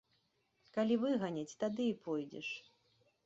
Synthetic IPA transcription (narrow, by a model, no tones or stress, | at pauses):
kalʲivɨɣanʲɐt͡sʲt̪ad̪ɨipʰɔjd͡zʲɛ̰ʂ